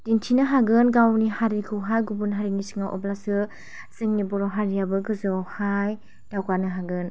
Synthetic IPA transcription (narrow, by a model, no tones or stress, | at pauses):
d̥intʰinɯɦaɡɯnɡawnihaɾiɡʰɯwɦajɡubunɦaɾiŋisɯ̥ŋawʔɔ̰blasɯ | z̥ɯŋnibɔɾɔɦaɾiabɯɡɯzɔwhaj | d̥awkanɯɦaɡɯn